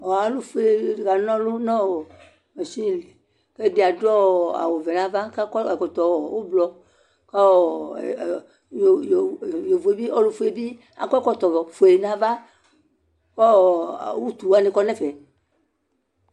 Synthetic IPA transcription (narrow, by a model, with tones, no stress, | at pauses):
ɔ˨a˨lu˦fe˨ɡa˨nɔ̃˦lu˦nɔ̃˦˨ | me˨si˦˨li˨ | ke˦di˨a˨dɔ˦˨a̰˨wo˨vɛ˨nã˨˦va˦ka˦kɔ˦ɛ˨kɔ˨t̪ɔ˨wɔ˨wo˦blɔ˧ | kɔ˦ɔ̰˨ | jjjo˨vu˨e˨bi˦ɔ˦lu˦fu˦e˨bi˦ | a̰˨kɔ˦kɔ˦t̪ɔ˨vɔ˨fo˨e˨nã˦va˦ | kɔ̰˦˨˦wu˦t̪u˨wa˦nĩ˧kɔ˦nɛ˦˨fɛ˨